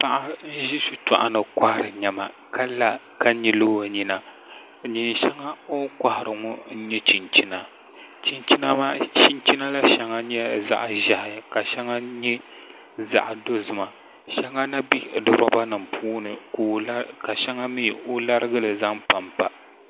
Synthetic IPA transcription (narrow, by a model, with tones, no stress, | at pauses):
pa˦ʔa˦ʒi˦si˦ta̰˨ʔa˨nɨ˨kʷa˦hɾɨ˨ɲɛ˨ma˨ | ka˦la˨ | ka˦ɲi˨loː˦wa˨ɲi˨na˨ | ɲi˨n˨ʃɛ˦ŋa˦o˦kʷa˦hɪ˨ɾɨ˨ŋʊ˦n̩˦ɲɛ˦t͡ʃi˨nt͡ʃi˦na˨ | t͡ʃi˦nt͡ʃi˦na˦maː˦t͡ʃi˦nt͡ʃi˦na˦la˦ʃa˦ŋa˦ɲɛ˦za̰˦ʔʒa˨hɪ˨ja˨ka˨ʃɛ˦ŋa˦ɲɛ˦ | za̰˨ʔdo˦zʊ˦ma˨ | ʃɛ˦ŋa˦na˦bi˦˨dɨ˨ɾa˦ba˦nɨ˨mpʰuː˦nɨ˨ko˨˦ka˨ʃɛ˦ŋa˦mi˦˨o˦la˦ɾɨ˦ɡɨ˦lɨ˨za˦ŋpa˨mpa˨